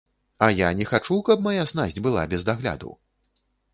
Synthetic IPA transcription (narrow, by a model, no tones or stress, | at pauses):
ɐjanʲɛxat͡ʂukɐpmajasnazʲd͡zʲbɨlˠa̰bʲɛzd̪aɣlʲa̰d̪ṵw